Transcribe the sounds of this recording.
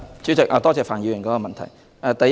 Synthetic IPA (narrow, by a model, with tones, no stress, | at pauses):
t͡syː˨˥t͡sɪ˨k̚ʔaː˨˧t̪ɔː˥t͡sɛː˨kfaː˨˩njiː˨˧wjɪ˨˩nkɔː˨˥kɔː˧mɐ˨nt̪ʰɐ̰˨˩j | ʔaː˧t̪ɐ˨j